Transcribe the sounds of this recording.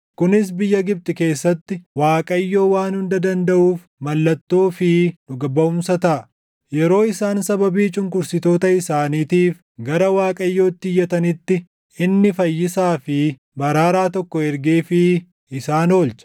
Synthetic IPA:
kʊnɪsbɪjːɐɡɪb̚t̪ʼɪke̞ːsːɐt̪ːɪwaːkʼɐjːo̞ːwaːnhʊnd̪ɐd̪ɐnd̪ɐʔuːf | mɐlːɐt̪ːoːfɪnʊɡɐbɐʊmsɐt̪ɐʔɐ | jɛɾo̞ːɪsaːnsɐbɐbiːt͡ʃʼʊŋkʊɾsɪt̪o̞ːt̪ɐɪsaːniːt̪iːf | ɡɐɾɐwaːkʼɐjːo̞ːt̪ːɪjːɐt̪ɐnɪt̪ːɪ | ɪnːɪfɐjːɪsaːfɪ | bɐɾaːɾaːt̪ɔkːɔɛɾɡeːfɪ | ɪsaːno̞ːlt͡ʃɐ̥

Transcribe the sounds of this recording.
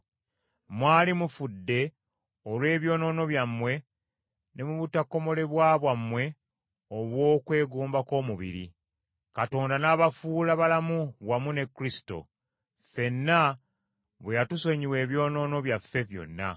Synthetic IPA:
mwaːlimufudːe̞ | olwe̞ːβjo̞ːno̞ːno̞βjamːwe̞ | ne̞muβutakːo̞mo̞le̞βwaːβwamːwe̞ | oβwo̞ːkwe̞ːɡuːmbako̞ːmuβḭɾḭ | kato̞ːndanaːβafuːlaβalamuβwamune̞kːɾisi̥to̞̰ | fe̞nːa | βwejatuso̞ɲiwe̞ːβjo̞ːno̞ːno̞βjafːe̞βjo̞̰nːa̰

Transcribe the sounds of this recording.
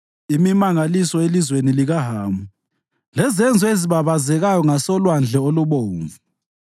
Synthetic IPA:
imimaŋalisɔelizweniliɣaɦaːmu | lɛzɛnd͡zʱɔeziβaβazɛɣajɔŋasɔlwand͡ɮʱɛoluβoːɱvu

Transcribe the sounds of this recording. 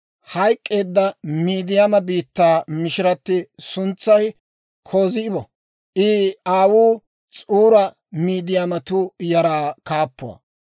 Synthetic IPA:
hɐjkʼːe̞ːd̪ːɐmiːd̪ɪjamɐbiːt̪ːaːmɪʃɪɾɐt̪ːɪsʊnt͡sːɐj | kʰoːzɪɪbɔ | ʔɪaːwuː | t͡sʼuːɾɐ | miːd̪ɪjamɐt̪ʊjɐɾaːkaːpːʊwɐ̰

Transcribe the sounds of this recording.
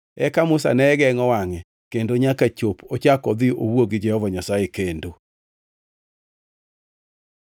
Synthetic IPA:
ɛkamʊsa̰nɛɡɛŋɔwaŋɛ | kendoɲakat͡ʃopʰot͡ʃakɔd̪ɪʔowoɡɪd͡ʒɛhɔvaɲasaekendo

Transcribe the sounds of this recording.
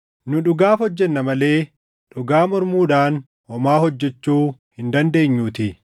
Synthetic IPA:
nʊᶑʊɡaːfɔd͡ʒːɛnːɐmɐle̞ː | ᶑʊɡaːmɔɾmuːᶑaːn | ɔmaːhɔd͡ʒːɛt͡ʃːuːhɪnd̪ɐnd̪e̞ːɲːuːt̪ɪ

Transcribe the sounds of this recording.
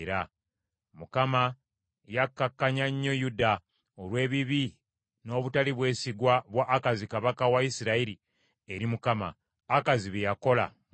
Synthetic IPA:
ɾa | mukama | jakːakːaɲaɲːo̞juda | o̞lwe̞ːβiβi | no̞ːβutaliβwe̞ːsiɡwaβwaʔːkazikaβakawaisiɾaiɾi | eɾimukama̰ː | kaziβejako̞la̰

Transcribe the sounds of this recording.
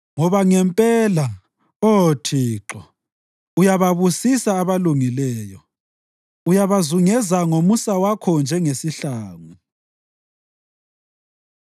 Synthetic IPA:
ŋɔβaŋɛmpʼɛla | otʰiːǁɔ | ujaβaβusisaːβaluŋilɛːjɔ | ujaβazuŋɛzaŋomusawakʰɔnd͡ʒʱɛŋesiɬaːŋu

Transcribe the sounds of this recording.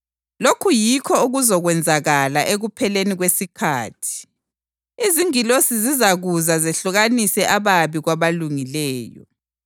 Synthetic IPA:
lokʰujikʰɔuɣuzɔɣwɛnd͡zʱaɣalaʔeɣupʰɛleniɣwesikʰa̰ːtʰi̥ | iziŋilosizizaɣuzazɛɬuɣanisɛʔaβaβiɣwaβaluŋilɛːjɔ̰

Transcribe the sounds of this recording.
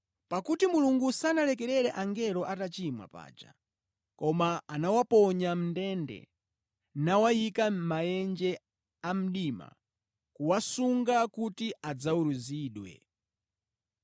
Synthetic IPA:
pakutimuluŋɡusanalɛk̬ɛɾɛɾɛʔaŋɡɛlɔʔatat͡ʃimwa̰pa̰ːd͡ʒa̰ | kɔmaanawapɔɲam̩ndɛndɛ̰ | nawajikamajɛnd͡ʒɛ | am̩ɗima̰ | kuwasuŋɡakutiad͡zauɾuziːɗwɛ̰

